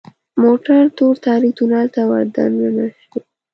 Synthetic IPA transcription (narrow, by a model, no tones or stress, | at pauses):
moʈaɾt̪oɾt̪ɑɾikt̪unɑlt̪awaɾd̪a̰nnanaʃi